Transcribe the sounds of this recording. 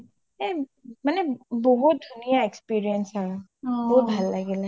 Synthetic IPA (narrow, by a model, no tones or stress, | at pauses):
emanebɔɦʊt̪̚d̪ʱunijaekspiːɾijənsa | bɔɦːt̪̚bʱəlːəɡelɛ